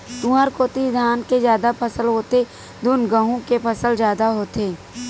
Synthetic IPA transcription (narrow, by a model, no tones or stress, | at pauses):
t̪uəɾkoːt̪id̪ʱaːnkezjaːd̪apʰəsəlɦoːt̪e | d̪ʊnɡəɦũkepʰəsəld͡ʒjaːd̪aɦoːt̪eː